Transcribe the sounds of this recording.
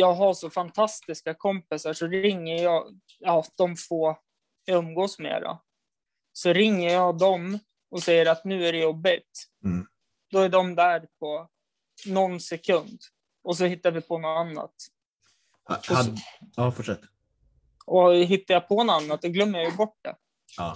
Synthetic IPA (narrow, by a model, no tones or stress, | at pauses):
jɑːɡɦaʂɔfant̪ʰast̪ɪskakʰɔmpɪsaʂɔɾɪŋːəɾjɑːɡ | ɑːd̪̥ɔmfoː | ɵmɡoːsmḛːɾa̰ | sɔɾɪŋːəɾjɑːd̪ɔm | ɔsɛjːəɾat̪nʉ̟ːæɖɛjɔbːɪt̪ | d̪̥ɔæɖɔmd̪æɾpʰɔ | nɔnsɛkʰɵnd̪ | ɔs̬ɔhɪt̪ːavɪpʰɔnɔanːa̰t̪ | ɔː | fʊʂɛt̪ː | ɔɦɪt̪ːajɑpʰɔnanːat̪̚d̪ɔɡlœmːəɾjajʏbɔʈ̚ːd̪ɛ̰